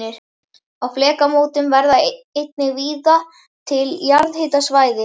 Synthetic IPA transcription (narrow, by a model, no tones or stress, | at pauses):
ɪɾ | awflɛːkamoːwt̪ɪmvɛɾðaejt̪̚nɪɣviːða | t̪ʰɪljaɾðhɪːt̪asvaːjðɪ